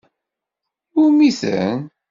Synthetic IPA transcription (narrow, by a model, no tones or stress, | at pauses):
ʊɾmiθə̰n